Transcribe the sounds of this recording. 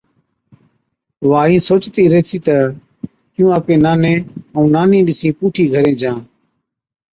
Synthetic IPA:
ʋaːĩːsoːt͡ʃt̪iːɾəɦt̪ʰiːt̪ə | kɪjũːəːpẽːnaːnẽːəũːnaːnĩːɗɪsĩːpuːʈʰiːɡʱəɾẽːd͡ʒãː

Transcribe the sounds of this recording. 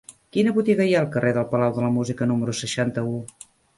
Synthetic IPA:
kinəβut̪iɣəjaːlˠkərʔeðəlˠpəlawðələmuzikənuməɾusəʃant̪əu

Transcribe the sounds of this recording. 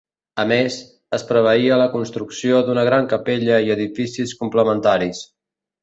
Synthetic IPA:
əmez | əspɾəβ̞əiələkunst̪ɾuksiod̪unəɣ̞ɾaŋkəpeʎəiəðifisiskumpləmənt̪aɾis

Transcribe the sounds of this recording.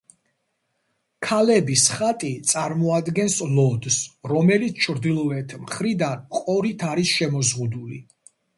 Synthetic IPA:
kʰalɛbisχat̪ʼit̪sʼaɾmɔad̪ɡɛnslɔd̪sɾɔmɛlit̪sʰt͡ʃʰɾd̪ilˠɔɛt̪ʰmχɾid̪anqʼɔɾit̪ʰaɾisʃɛmɔzʁud̪ulḭ

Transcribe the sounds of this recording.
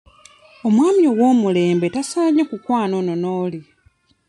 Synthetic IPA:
o̞mwaːmio̞ɡwoːmule̞ːmbe̞tasaːɲakukwaːnononoːli

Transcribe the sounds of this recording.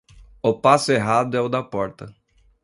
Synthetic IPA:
ʊpasʊeɦad̪ʊɛʊd̪ɐpɔɾt̪ɐ

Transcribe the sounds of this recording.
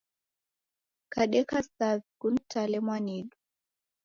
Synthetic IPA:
kaɗɛkasaðkuntʰalɛmwaniɗu

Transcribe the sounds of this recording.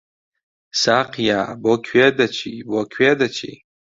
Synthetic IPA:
saqʰjabokʲʰwɥedat͡ʃʰibokʲʰwedat͡ʃʰḭ

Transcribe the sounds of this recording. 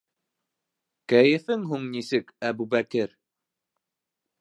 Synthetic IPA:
kæjɘ̆fɘŋɦuŋnisɘkæbubækɘɾ

